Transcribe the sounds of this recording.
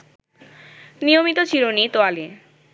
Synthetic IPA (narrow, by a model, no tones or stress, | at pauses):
niomit̪ot͡ɕʰiɾonit̪oali